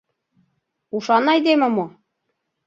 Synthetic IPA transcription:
uʃɑnɑjd̪emɘ̆mo

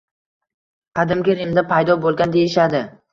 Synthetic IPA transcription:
qʰɑd̪ɪmɡʲaɾɪmd̪apʰajd̪ɒbolˠɡʲand̪ejɪʃad̪ɪ

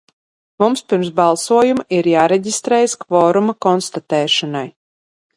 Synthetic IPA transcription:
mumspʲiɾmsbalˠsuɔjumaʔiɾjaːɾɛɟʲist̪ɾɛːjskvɔːɾumakɔnst̪at̪ɛːʃɔnaj

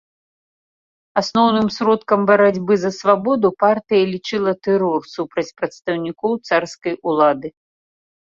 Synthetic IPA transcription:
asnɔwnɨmsɾɔt̪kɐmbɐɾad͡zʲbɨzɐsvabɔd̪upart̪ɨjɐlʲit͡ʂɨlˠɐt̪ɛɾɔrsupɾɐt͡sʲpɾɐt̪st̪ɐwnʲikɔwt̪sarskɐjulˠad̪ɨ

